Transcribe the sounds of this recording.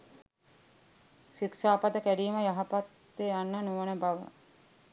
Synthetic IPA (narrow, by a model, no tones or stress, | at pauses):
ʃiksaːpad̪əkæɖiːməjaɦapat̪ːeanːənuʋənəbaʋə̰